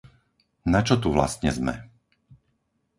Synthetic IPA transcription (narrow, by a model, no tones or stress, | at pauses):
nat͡ʃɔt̪uʋla̰st̪ɲɛzmɛ̰